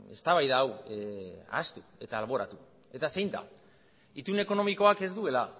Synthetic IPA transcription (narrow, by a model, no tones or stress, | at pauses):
e̞̰st̪aβajðaːw | a̰st̪u̥e̞t̪aːlβ̞o̞ɾat̪u | e̞t̪asejnd̪a̰ | it̪une̞ko̞no̞miko̞ake̞zd̪ue̞la